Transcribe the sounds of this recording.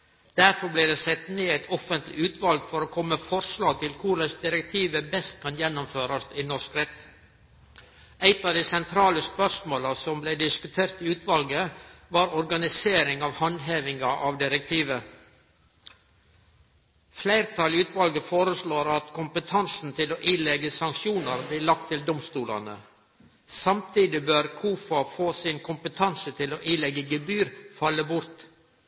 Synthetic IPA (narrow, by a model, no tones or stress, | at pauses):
d̪̥æɾfɔɾbliːd̪eːsɛt̪neːæɪt̪ʰɔfənt̪lɪ̰ʉːt̪ʰʋɑlɡfɔɾoːkʰɔmːəfɔɾslɑːɡ̚t̪ʰɪlkʰʊɾəsd̪ɪɾɛk̚t̪ʰiːʋəbɛst̪̚kʰɑnjɛnːʊmføːɾɑst̪iːnɔɾskɾɛt̪ | æɪt̪ɑːʋd̪iːsɛnt̪ʰɾɑːləspœʂmoːlɑsɔmbleɪd̪ɪskʉt̪ʰeːɾt̪ɪːʉːt̪ʰʋɑlɡəʋɑɾɔɾɡɑnɪseːɾɪŋɑːʋhɑnɦeːʋɪŋɑʔɑʋd̪ɪɾək̚t̪ʰiːʋə | flæɪɾt̪ʰɑlʉːt̪ʋɑlɡəfoːɾəsɭoːɾɑt̪kʰʊmpət̪ʰɑnsn̩t̪ʰɪloːʔiːlɛɡəsɑŋkʃuːnəɾbliːlɑk̚t̪ʰːɪld̪ɔmst̪uːlɑ̰nə̰ | sɑmt̪ʰiːd̪ɪbøːɾkʰuːfɑfoːsɪnkʰʊmpət̪ʰɑnsət̪ʰɪloːʔiːlɛɡːəɡəbyːɾfɑlːəbʊɾt̪